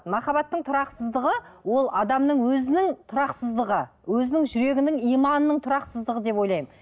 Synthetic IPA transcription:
mɑχɑbɑt̪ːəɴt̪ʰʊɾɑqsəzd̪əʁəwo̞lˠɑd̪ɑmnəɴwɵzɪnɪŋt̪ʰʊɾɑqsəzd̪əʁə | wɵzɪnɪŋʒʏɾe̞ɡʲɪnɪŋijmɑnənəɴt̪ʰʊɾɑqsəzd̪əʁəd̪e̞pwo̞jlˠɑjəm

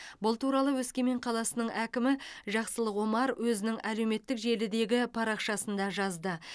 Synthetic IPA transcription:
bʊlˠt̪uɾɑlˠəwɵskʲe̞me̞ɴqʰɑlˠɑsənəɴʔækʲɪmɪʒɑqsəlˠəqwo̞mɑɾwʔɵzɪnɪŋæle̞wme̞t̪ːɪkʒe̞lɪd̪e̞ɡʲɪpʰɑɾɑqʃɑsənd̪ɑʒɑzd̪ə

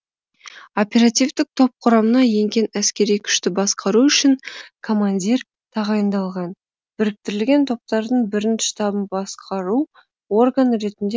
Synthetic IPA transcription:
o̞pʲe̞ɾat̪ijvd̪ɪk̚t̪ʰo̞p̚qʰʊɾɑmənɑje̞ŋɡʲe̞næskʲe̞ɾijkʲʰʏ̥ʃt̪ɪbɑsqɑɾuʏʃɪŋkʰo̞manʲdʲir | t̪ʰɑʁɑjənd̪ɑlˠʁɑn | b̥ɪɾɪk̚t̪ɪɾɪlɡʲe̞nt̪ʰo̞p̚t̪ɑɾd̪əɴbɪɾɪnt̪ʃt̪ɑbənbɑsqʰɑɾu | wo̞rɡanɾe̞t̪ɪnd̪e

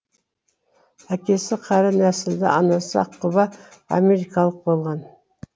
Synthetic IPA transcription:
ækʲe̞sɪqʰɑɾɑnæsɪld̪ɪ̰ʔɑnɑsɑ̰ɑqʰːʊβɑɑ̰mʲe̞ɾikɑlˠəq̚bo̞lˠʁɑn

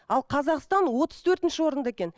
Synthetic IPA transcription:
ɑlˠqʰɑzɑqst̪ɑnwo̞t̪əz̥t̪ʰɵɾt̪ɪnʃɪwo̞ɾənd̪ɑekʲe̞n

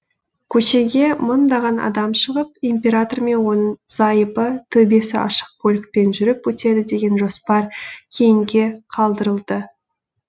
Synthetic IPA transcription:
kʲʰɵʃe̞ɡʲe̞mənd̪ɑʁɑnɑ̰d̪ɑmʃəʁəp̚impʲe̞ɾat̪o̞rme̞nwo̞nəɴz̥ɑjəpət̪ʰɵbe̞sɪʔɑ̰ʃə̥q̚kʰɵlʲɪk̚pe̞nʒʏɾɪpwɵt̪e̞d̪ɪd̪e̞ɡʲe̞nʒo̞spɑɾkʲʰe̞jɪŋɡʲe̞qʰɑlˠd̪əɾəlˠd̪ə

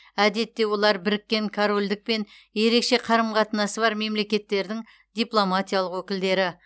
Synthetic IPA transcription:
æd̪e̞t̪ːe̞wo̞lˠɑɾbɪɾɪkʲːe̞ŋkʰaɾo̞lʲd̪ɪk̚pe̞n | je̞ɾe̞kʃe̞qʰɑɾəmqʰɑt̪ənɑsəβɑɾme̞mle̞kʲe̞t̪ːe̞ɾd̪ɪŋ | d̪ijplˠo̞mat̪ijalˠəqwɵkʲɪld̪e̞ɾɪ

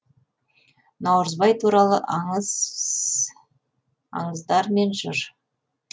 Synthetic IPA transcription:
nɑwɾəzbɑjt̪ʰuɾɑlˠəʔz | ɑ̰ɴəzd̪ɑɾme̞nʒʊɾ

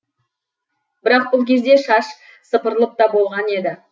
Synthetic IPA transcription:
bɪɾɑq̚bʊlˠkʲʰe̞zd̪e̞ʃɑʃ | səpəɾəlˠəp̚t̪ɑbo̞lˠʁɑne̞d̪ɪ

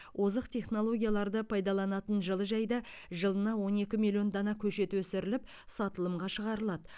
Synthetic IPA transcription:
wʔozəqt̪ʰe̞χno̞lˠo̞ɡʲijalˠɑɾd̪əpʰɑjd̪ɑlˠɑnɑt̪ənʒəlˠəʒɑjd̪ɑ | ʒəlˠənɑwo̞ne̞kʲɪmilʲijo̞nd̪ɑnɑkʲʰɵʃe̞t̪wɵsɪɾɪlɪp̚ | sɑt̪əlˠəmʁɑʃəʁɑɾəlˠɑd̪ə

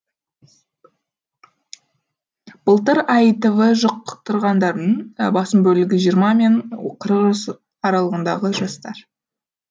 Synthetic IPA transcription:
b̥əlˠt̪əɾɑjt̪əvəʒoq̚t̪ʰʊɾʁɑnd̪ɑɾd̪ənbɑsəmbɵlɪɡʲɪʒijəɾmɑme̞ɴqʰəɾəqəs | ɑɾɑlˠəʁənd̪ɑʁəʒɑst̪ɑɾ

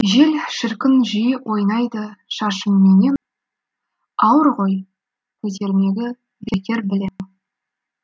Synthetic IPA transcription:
ʒe̞lʃɪɾkʲɪnʒijəwʔo̞jnɑjd̪əʃɑʃənme̞ne̞n | ɑwəɾʁo̞j | kʲʰɵzd̪e̞ɾɪne̞ɡʲɪ | bekʲe̞ɾbɪlemɪn

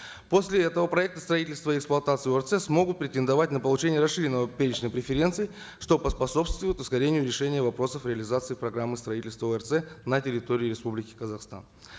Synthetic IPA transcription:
po̞sʲlʲɪɛt̪əvəpɾɐɛk̚t̪ə̥st̪ɾɐitʲɪlʲst̪vəɪɪksplˠɐt̪at̪sɨoɛrsɛsmo̞ɡʊt̪̚pɾʲɪtʲɪnd̪ɐvat̚ʲnəpəlˠʊt͡ɕenʲɪjəɾɐsʂːɨɾʲɪnːəvəpʲeɾʲɪt͡ɕnəjpɾʲɪfʲɪɾʲe̞nt̪sɨɪ | ʂt̪o̞pəspɐso̞pst̪vʊjɪt̪ɪskɐɾʲenʲɪjʊɾʲɪʂɛnʲɪjəvɐpɾo̞səfɾʲɪəlʲɪzat̪sɨːpɾɐɡɾamːɨst̪ɾɐitʲɪlʲst̪vəoɛrt̪sɛnətʲɪɾʲɪt̪oɾʲɪːɾʲɪspublʲɪkʲɪ̥kəzɐxst̪a̰n

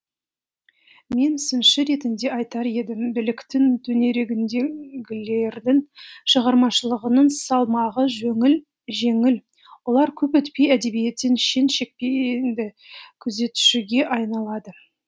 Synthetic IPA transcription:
me̞nsɪnʃɪɾe̞t̪ɪnd̪e̞ɑjt̪ɑɾe̞d̪ɪmbɪlɪkt̪ɪŋt̪ʰɵne̞ɾe̞ɡʲɪnd̪e̞ɡʲɪle̞ɾd̪ɪŋʃəʁɑɾmɑʃəlˠəʁənəɴsɑlˠmɑʁəʒɵŋɪl | ʒe̞ŋɪl | wo̞lˠɑɾkʲʰɵpɵt̪pe̞jæd̪e̞bije̞t̪ːenʃe̞nʃe̞k̚pʲend̪ɪ | kʲʰɵze̞t̪ʏ̥ʃɪɡʲe̞ʔɑjnɑlˠɑd̪ə

